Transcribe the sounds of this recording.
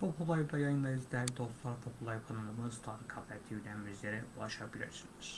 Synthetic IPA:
bopʰulˠɑjb̪ɑjɑjɯnˠɑizd̪ʲæɾd̪ost̪lˠɑɾp̪ʰopʰulˠɑjpʰanɯlˠɯmɯzt̪ʰɑɾɯkʰɑblʲɛt̪ʰiylænmyzlʲeɾɛulˠɑʃɑbilʲḭɾsiniz̥

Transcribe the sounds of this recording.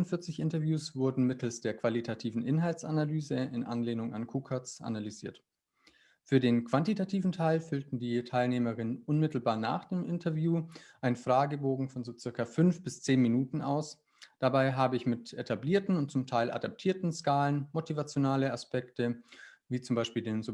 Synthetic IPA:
fʊnfɪɐt͡sɪçʔɪntɐvjuːsv̥ʊɐdn̩mɪtʰl̩sd̥eːɐkv̥alitʰatʰiːvn̩ʔɪnɦaltsʔanalyːzəɪnʔa̰nleːnʊŋa̰nkʰuːkʰasʔa̰nalyziːɐt | fyːɐdeːnkv̥antitʰatʰiːvn̩tʰaɪlfʏltn̩diːtʰaɪlneːməʁɪnənʔʊnmɪtl̩baːɐna̰ːχd̥eːmʔɪntʰɐvjuːʔaɪnnfʁ̥aːɡəboːɡŋ̩fɔnzoːt͡sɪɐkɐfʏnfb̥ɪst͡seːnminuːtn̩ʔaʊs | d̥abaɪɦaːbəɪçmɪtʔetʰabliːɐtn̩ʊnt̚t͡sʊmtʰaɪlʔa̰dap̚tʰiːɐtn̩skaːlənmotivat͡sjonaːləaspʰɛktə | viːt͡sʊmbaɪʃpiːldeːnz

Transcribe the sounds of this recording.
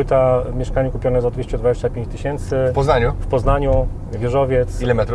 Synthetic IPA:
ɘt̪amʲjɛʂkaɲɛkupʲɔnɛzɔd̪vʲeɕt͡ɕɛd̪vad͡ʑeɕt͡ɕapʲjẽɲt͡ɕt̪ɘɕɛnt̪sɘpɔznaɲufpɔznaɲu | vʲjɛʐɔvʲjɛt̪silɛmɛt̪ɾ

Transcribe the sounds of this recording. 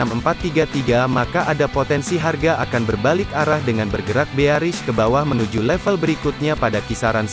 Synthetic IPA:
aməmpat̪ːiɡat̪iɡamakaʔadapot̪ɛnsiɦarɡaʔakanbərbalɪkaɾahdəŋanbərɡəɾak̚beaɾɪskəbawahmənud͡ʒulɛfəlbəɾikut̪̚ɲapadakisaɾans

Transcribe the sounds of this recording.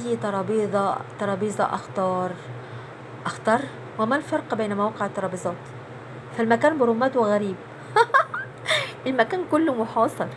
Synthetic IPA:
jt̪ɑɾˤɑːbiːd̪ˤɑt̪ɑɾˤɑːbiːzˤɑ̰ʔɑ̰xt̪ɑːɾˤ | ʔɑxt̪ɑɾˤ | wɪmalfɑɾˤqbeːnmawɑːqɪʕt̪ˤːɑɾˤɑːbizˤɑːt̪ | falmækæːnbɪɾʊmæːt̪wɪɣæɾiːb | ʔɪlmækæːnkʊlːʊmʊħɑːsˤɑɾˤ

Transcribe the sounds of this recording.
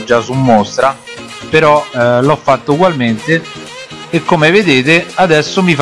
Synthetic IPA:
d͡ʒːasumːost̪ɾa | peɾɔlɔfːat̪ːouɡwalment̪eː | kːomeved̪eːt̪ead̪ɛsːomif

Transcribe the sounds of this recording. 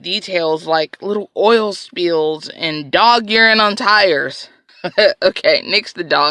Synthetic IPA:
d̥itʰeɪlˠzlaɪklɪɾl̩ˠɔɪlˠspilˠzɨ̰̃ndɔɡjɪɹɪ̃ŋə̃ntʰaɪə˞z̥ | oʊkʰeɪmɪksðɨdɔ

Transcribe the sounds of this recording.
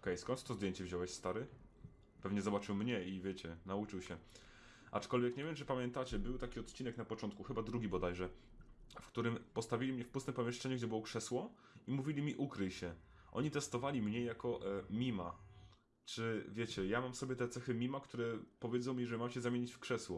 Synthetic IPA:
kɛjskɔnt̪t̪ɔzd̪ʲjeɲt͡ɕɛvʑɔwɛɕst̪aɾɘ | pɛvɲɛzɔbat͡ʂɘwmɲɛivʲjɛt͡ɕɛnaut͡ʂɘwɕɛ | ʔa̰t͡ʂkɔlvʲjɛkɲevʲjɛmt͡ʂɘpamʲjɛnt̪at͡ɕɛbɘwt̪akʲiɔt̪t͡ɕinɛknapɔt͡ʂɔnt̪̚kuxɘbad̪ɾuɡʲibɔd̪ajʐɛ | fkt̪uɾɘmpɔst̪avʲilʲimɲɛfpust̪mpɔmʲjɛʂt͡ʂɛɲuɡd͡ʑɛbɘwɔkʂɛswɔ | imuvʲilʲimʲiʔukɾɘjɕɛ | ʔɔ̰ɲit̪ɛst̪ɔvalʲimɲɛjakɔʔmʲima | t͡ʂɘvʲjɛt͡ɕɛjamamsɔbʲjɛt̪ɛt̪sɛxɘmʲimakt̪uɾɛpɔvʲjed̪zɔ̃w̃mʲiʐɛmamɕɛzamʲjeɲit͡ɕfkʂɛswɔ

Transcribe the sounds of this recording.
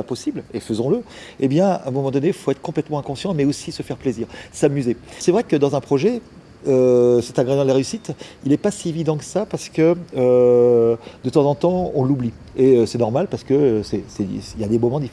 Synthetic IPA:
apɔsiblefəzɔ̃lə | ebjɛ̃ɛ̰̃mɔmɑ̃d̪ɔneifoɛt̪χə̥kɔ̃plɛt̪mɑ̃ɛ̃kɔ̃sjɑ̃mɛosisəfɛʁpleziːʁsamyzesɛvʁɛkəd̪ɑ̃zɛ̃pχɔʒɛ | øsɛt̪aɡʁeʒɑ̃d̪laʁeysit̪ilɛpasievid̪ɑ̃kə̥sapaʁsə̥kəø | d̪̥ət̪ɑ̃zɑ̃t̪ɑ̃ɔ̃lubli | eøsɛnɔʁmalpaʁsə̥kəøsɛsɛiljad̪emɔmɑ̃d̪if

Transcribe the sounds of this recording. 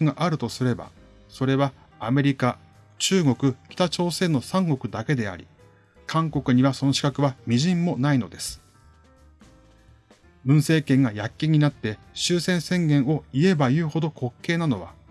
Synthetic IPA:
ɯɡaʔaɾɯ̟t̪o̞sɨɾe̞ba̰ | so̞ɾe̞βaː | me̞ɾʲika | t͡ɕɨːɡo̞kɯ̟kʲi̥t̪at͡ɕo̞ːse̞ːno̞sãŋɡo̞kɯ̟d̪ake̞d̪e̞a̰ɾʲḭ | kʰãŋko̞kɯ̟ɲ̟iβaso̞no̞ɕi̥kakɯ̟βamʲiʑĩmːo̞naino̞d̪e̞sɨ̥ | bɯ̟̃ɰ̃se̞ːkẽ̞ŋɡajakʲːiɲ̟inat̪ːe̞ | ɕɨːsẽ̞ɰ̃sẽ̞ŋɡẽ̞ɰ̃o̞ie̞bajɯ̟ːho̞d̪o̞kʰo̞kːe̞ːnano̞β̞a̰

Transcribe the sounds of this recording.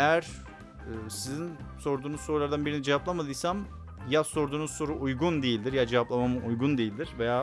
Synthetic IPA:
ejæɾ̥ | ɯːsizinso̞ɾd̪uːnusso̞ɾulˠaɾd̪anbiɾinid͡ʒevaplˠamad̪ɯːsam | jaso̞ɾd̪uːnuzso̞ɾuʔujɡund̪e̞jilʲd̪iɾjad͡ʒevaplˠamamɯʔujɡund̪e̞jilʲd̪iɾ̥vejaː

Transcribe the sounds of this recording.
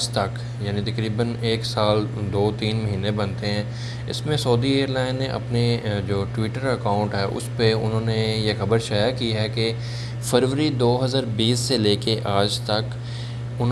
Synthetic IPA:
d͡ʒt̪ɐk | jaːnit̪ɐkɾiːbəneːksaːld̪oːt̪iːnmɐɦiːnebɐ̃nt̪eɦɛ̃ː | ɪ̰smẽsɔːd̪ieːɾlãːɪ̃nːeʔɐ̰pned͡ʒoːʈwiːʈəɾɐkãːʊ̃ɳʈɦɛːʔʊ̰speʊ̰nɦõːnejexɐbəɾʃaːjakiɦɛke | fɐɾʋəɾid̪oːɦɐzaːɾbiːsːeleːkeʔaːd͡ʒt̪ɐk | ʊn

